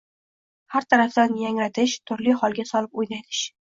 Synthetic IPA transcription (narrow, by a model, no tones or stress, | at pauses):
haɾt̪ʰaɾafd̪anjaŋɾat̪ʰɪʃt̪ʰʊɾlihɒlˠɡʲasɒlɪpojnajd̪ɪʃ